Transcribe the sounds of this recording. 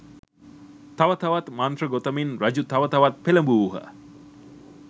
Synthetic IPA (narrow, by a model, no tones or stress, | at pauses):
t̪aʋət̪ɐʋat̪mant̪rəɡot̪əminrad͡ʑut̪aʋət̪ɐʋat̪̚peləmbuːɦə̰